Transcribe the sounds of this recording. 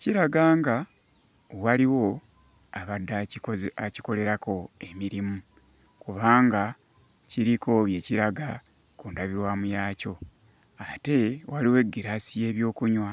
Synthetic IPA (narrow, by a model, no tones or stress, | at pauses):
ciɾaɡaːŋɡa | waliwo̞ | aβadːaaciko̞le̞ɾako̞e̞miɾimu | kuβaːŋɡa | ciɾikʰo̞βje̞ciɾaɡa | kuːndaβiɾwaːmujaːco̞ | ate̞waliwe̞ɡiɾaːsije̞ːβjo̞ːkuɲwa